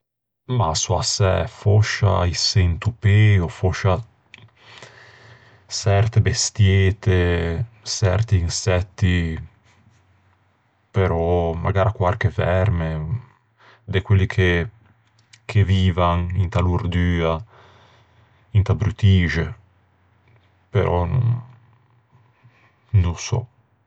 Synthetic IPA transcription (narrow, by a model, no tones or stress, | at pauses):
masuasɛ̰fɔʃa̰isɛnt̪upeofoʃa | sɛɾt̪ebest̪jet̪e | sɛɾt̪iːnsɛt̪ːi | peɾɔma̰ɡaːɾakwaɾkevɛɾme | d̪ekwelːikʰe | kʰeviːvanint̪aluɾd̪yːa | int̪abɾut̪iːʒe | pḛɾʔɔnṵ | nusɔ̰